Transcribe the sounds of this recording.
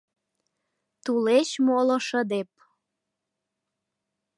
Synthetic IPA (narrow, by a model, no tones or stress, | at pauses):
t̪ulet͡ɕmoloʃəd̪ep̚